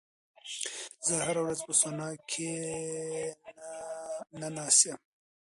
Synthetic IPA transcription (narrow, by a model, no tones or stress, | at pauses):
zəhaɾawɾazpəsonɑːkʰe | nanɑːsem